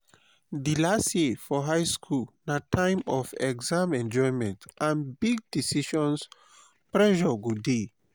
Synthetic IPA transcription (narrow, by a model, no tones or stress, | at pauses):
dilastjefɔɦajskʰulnatʰãj̃mɔfɛɡzãmɛ̃nd͡ʒɔjmɛ̃ntʔãnbiɡ̚disiʃɔ̃ns | pɹɛʒɔɡude